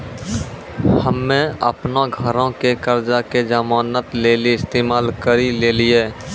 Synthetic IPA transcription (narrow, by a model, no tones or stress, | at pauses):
həmːẽə̰pnaɡʱəɾõkekəɾd͡ʒaked͡ʒamaːnət̪leːliɪst̪eːmaːlkəɾileːlieː